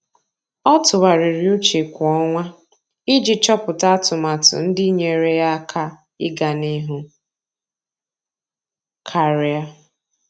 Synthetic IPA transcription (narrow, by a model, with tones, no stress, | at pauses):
ɔ˦tʊ˨wa˨ɾɪ˨ɾi˨u˦t͡ʃe˨kʷɔ˦ŋʷa˦ | ɪ˦d͡ʒi˨t͡ʃɔ˦pʊ˨ta˦tʊ˨ma˨tʊ̰˨n̩˦dɪ˦ɲe˨ɾe˦ja˦kʰa˦ | ɪ˦ɡa˨ni˦ɦʊ˦ | kʰa˨ɾi˨˦a˦